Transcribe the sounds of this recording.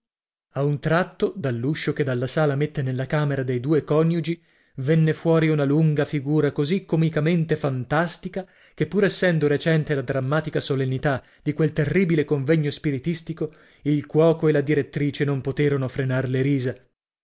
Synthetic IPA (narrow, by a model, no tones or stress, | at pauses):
aunt̪ɾat̪ːod̪alːuʃːoked̪alːasaːlamet̪ːenelːakaːmeɾad̪ejd̪uːekɔnjud͡ʒi | vɛnːefwɔːɾiunaluŋɡafiɡuːɾakozikːomikament̪efant̪ast̪ika | kepːuɾɛsːɛnd̪oɾet͡ʃɛnt̪elad̪ɾamːaːt̪ikasolenːit̪a | d̪ikwelt̪erːiːbilekoɱvɛɲːospiɾit̪ist̪iko | ilkwɔːkoelad̪iɾet̪ːɾiːt͡ʃenompot̪eːɾonofɾenarleɾiːza